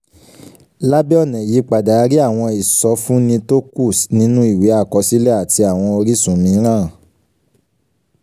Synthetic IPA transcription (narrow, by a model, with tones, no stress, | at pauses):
la˦bɛ˦ɔ˦˨nɛ̃˨ji˨˦k͡pa˨da˨˦ɾi˦a˦˨w̃ɔ̃˧i˨sɔ˨˧˦fũ˦nĩ˧to˦ku˦˨snĩ˨˦nũ˦i˦˨we˨˦a˦˨kɔ˨˦si˦lɛ˦a˨ti˧a˨w̃ɔ̃˧o˧ɾi˦sũ˨mĩ˨˦ɾ̃ãː˦˨